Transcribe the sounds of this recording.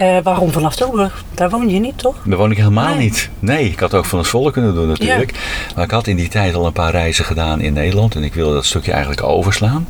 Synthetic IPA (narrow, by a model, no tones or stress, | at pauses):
ʋaːrɔmvɔnɑftolˠbəx | d̥aːɹʋownjənitʰːɔxdəʋownɪkɦeləmaːlˠnitnejɪkhɑtoːkfɑnɑffɔlˠəkːɵnəndunːatyːləkmaːɹɪkhɑtɪnditɛjtɑlˠənpaːrɛjzəχədaːnɪ̰nːejdəlɑntɛnɪkʋɪlˠdədɔtstøkjəɛ̰jəntləko̰wvəɹslaːn